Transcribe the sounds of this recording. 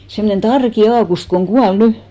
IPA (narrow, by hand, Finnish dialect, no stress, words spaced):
semnen tɑrki ɑːkust koŋ ɡ̊uɑl ny